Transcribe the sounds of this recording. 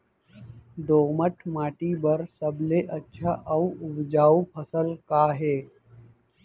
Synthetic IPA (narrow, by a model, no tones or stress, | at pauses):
d̪oːməʈʰmaːʈibəɾsəbleʔətːʃʰaʔɐuʊbd͡ʒaːupʰəsəlkaːɦeː